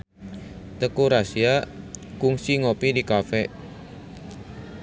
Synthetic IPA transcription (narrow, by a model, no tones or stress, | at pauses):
t̪əkuɾasiakuŋsiŋopidikafɛʔ